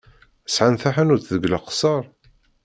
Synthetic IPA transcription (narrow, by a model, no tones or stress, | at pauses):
sʕanθaħænuɾθðəɡləqsˤɑɾˤ